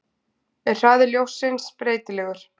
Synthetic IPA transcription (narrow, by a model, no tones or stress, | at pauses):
ɛɾ̥θaːðɪɾljowsɪnspɾeːjt̪ɪlɛːɣʏɾ̥